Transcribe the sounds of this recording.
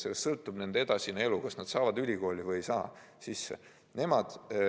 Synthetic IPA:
selssɤlt̪ːˑub̥ne̞nd̪̥ee̞d̪ɑsʲinelukɑsnɑd̪̥sɑːvɑd̪ylʲiko̞ːlʲivɯjjsɑ̰ː | sisːḛ | ne̞mɑd̪̥

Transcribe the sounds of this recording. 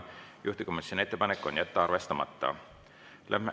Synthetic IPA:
jʔuht̪ikomisʲone̞t̪ːepɑnekːˑo̞̰njæt̪ːeɑrve̞st̪ɑmɑ̰t̪ˑːɑ̰ | lʔæ̰me

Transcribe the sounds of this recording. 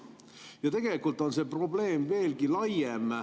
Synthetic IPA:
jɑt̪e̞ɡ̥e̞likːˑult̪ːˑo̞nse̞pro̞ble̞ːmve̞ːlɡilɑjem

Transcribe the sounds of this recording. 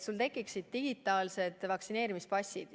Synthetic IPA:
sult̪e̞kːˑiksid̪̥̚t̪iɡ̥it̪ːˑɑːlse̞d̪̥vɑksine̞ːɾimispɑsʲid̪̥

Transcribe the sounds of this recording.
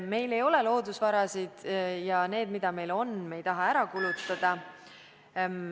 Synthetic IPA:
me̞jle̞jo̞le̞lo̞ːd̪usvɑɾɑsid̪̥jɑne̞ːd̪̥mid̪̥ɑme̞jlo̞nme̞jt̪ɑɦɑæɾɑkulut̪ːˑɑd̪̥ɑ

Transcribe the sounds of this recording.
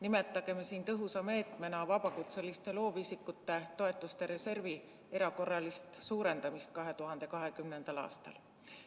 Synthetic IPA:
nime̞t̪ˑːɑɡ̥e̞mesiːnt̪ɤɦusɑme̞ːt̪ˑme̞nɑvɑb̥ɑkut̪selist̪e̞lo̞ːvisikːut̪ːe̞t̪o̞e̞t̪ˑːust̪e̞ɾe̞se̞rvi | e̞ɾɑko̞rːɑlist̪suːɾe̞nd̪̥ɑmist̪̚kɑɦe̞t̪uɦɑnd̪̥e̞kɑɦe̞kymne̞nd̪̥ɑlɑ̰ːst̪ɑ̰l

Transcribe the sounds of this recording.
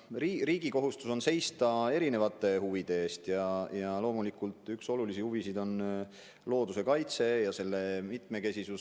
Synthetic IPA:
ririːɡ̥iko̞ɦust̪uso̞nse̞jst̪ɑe̞ɾine̞vɑt̪ːˑe̞huvid̪̥e̞eːst̪jɑjɑlo̞ːmulikult̪ˑykso̞lulisihuvisid̪̥o̞n | lo̞ːd̪̥use̞kɑjt̪se̞jɑse̞lːe̞mit̪me̞ke̞sʲisus

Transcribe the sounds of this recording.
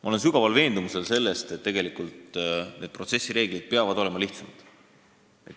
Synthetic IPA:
mɑole̞nsyɡɑvɑlve̞ːnd̪̥umuse̞lse̞lːe̞st̪et̪ːe̞ɡe̞likult̪ne̞d̪̚pro̞t̪sesʲːiɾe̞ːɡ̥lid̪̥̚peɑvɑd̪̥o̞le̞mɑliht̪sɑmɑd̪̥ | ḛ

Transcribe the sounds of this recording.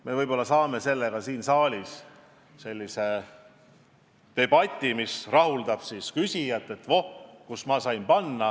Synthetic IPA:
me̞vɤjb̥o̞lːɑsɑːme̞se̞lːeɡ̥ɑsiːnsɑːlʲis | se̞lʲːise | t̪e̞b̥ɑt̪ʲːˑimisrɑɦuld̪ɑb̥siːskysʲijɑt̪ːˑe̞t̪vo̞hkusmɑːsɑjmpɑnːɑ

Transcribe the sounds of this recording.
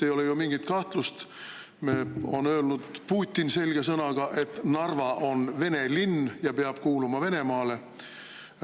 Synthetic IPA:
ejo̞lejumiŋɡ̥it̪kɑht̪lust̪ | meːonøːlnud̪̥puːt̪ʲːˑinse̞lʲɡ̥e̞sɤnɑɡ̥ɑʔe̞t̪ːnɑrvɑʔo̞nve̞ne̞linːjɑpeɑb̥kuːlumɑve̞ne̞mɑːle̞

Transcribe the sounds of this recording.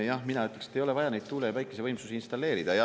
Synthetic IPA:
jɑhminɑyt̪lekset̪ːejo̞le̞vɑjɑnejd̪̥̚t̪ulejɑvæjkːˑese̞vɤjmsusiinst̪ɑlːe̞ːɾid̪̥ɑjɑ

